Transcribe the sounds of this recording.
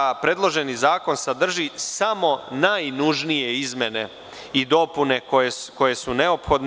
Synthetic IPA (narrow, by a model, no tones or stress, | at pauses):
apɾe̞ːd̪lˠo̞ʒe̞nizaːko̞nsad̪r̩ʒisamo̞najnuʒnije̞izme̞ne̞ | id̪o̞pune̞kojeko̞je̞sune̞opxod̪n